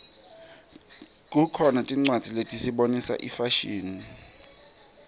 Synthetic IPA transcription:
kʼukʰɔnatʼiŋ͡ǀwad̥d͡z̥ʱiletʼisiɓonisa̰ʔifaʃiːni

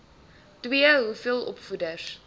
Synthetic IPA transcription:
twiəɦufiəlˠɔ̰pfudəs

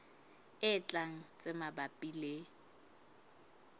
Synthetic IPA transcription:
ɪt͡ɬʼaŋ̩t͡sʼɪmabapʼile

